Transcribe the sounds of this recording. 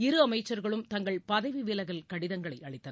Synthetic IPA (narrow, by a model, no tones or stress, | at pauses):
ɪɾɯɐmɐɪt͡ʃːɐɾɣɐɭɯmt̪ɐŋɡɐɭpɐðɐɪʋiʋɪlɐɣɐlkɐɽɪðɐŋɡɐɭɐɪʔɐɭɐɪt̪ːɐn